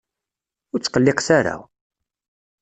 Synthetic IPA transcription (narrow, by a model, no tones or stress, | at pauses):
ʊɾt͡sːqəlːɪqsaɾa̰